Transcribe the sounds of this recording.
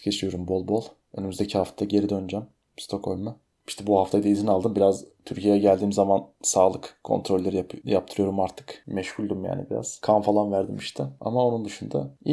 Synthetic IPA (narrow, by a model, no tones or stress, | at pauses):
cʰe̞t͡ʃʰijo̞ɾumbo̞lˠbo̞lˠ | ø̞nimyzd̪ecʰihaft̪aaɟe̞ɾid̪ønyd͡ʒam | bst̪ʰo̞kʰo̞lʲma | i̥ʃt̪ʰɛbuhaft̪ʰajd̪aizinalˠd̪ɯmbiɾazt̪ʰyɾcʰijejɛɟælʲd̪iːmzamansaːlˠɯkkʰːo̞̰nt̪ɾo̞lʲːe̞ɾijap̚t̪ʰɯɾɯjoɾumaɾt̪ʰɯ̥kmɛʃhulʲd̪umja̰ːnḭbiɾa̰z̥kʰanfalˠanvæɾd̪imiʃt̪ʰɪa̰mao̞nund̪yʃund̪a̰